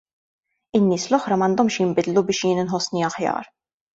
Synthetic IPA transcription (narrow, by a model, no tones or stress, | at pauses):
ɪnːɪːslɔħɾɐmɐnd̪ɔmʃjɪmbɪd̪lubɪːʃjɪːnɪnħɔsːniɐħjɐ̰ːɾ